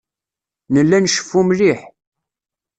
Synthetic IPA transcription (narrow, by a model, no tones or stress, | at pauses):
nəlːænʃə̥fːumliħ